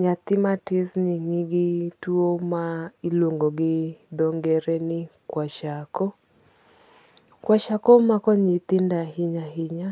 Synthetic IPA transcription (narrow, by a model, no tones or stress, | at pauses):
ɲat̪ɪmatɪsnɪɲiɡɪtuomailoŋɡɔɡɪd̪ɔŋɡɛɾɛnɪkwaʃakɔ | kwaʃakɔmakɔɲit̪ɪndaɦiɲaɦɪɲa